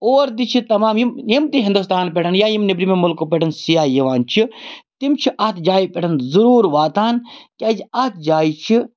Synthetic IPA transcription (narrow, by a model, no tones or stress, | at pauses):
oːɾd̪it͡ʃʰit̪ɐmaːmjimjimt̪iɦind̪us̬t̪aːnpʲeʈʰɐnjaːjimnibɾimemʊlkopʲeʈʰɐnsijaːjɐʋaːnt͡ʃʰit̪imt͡ʃʰiʔɐt̪ʰd͡ʒaːipʲeʈʰɐnzɐɾuːɾʋaːt̪aːnkʲɐd͡ʒɐt̪ʰd͡ʒaːit͡ʃʰi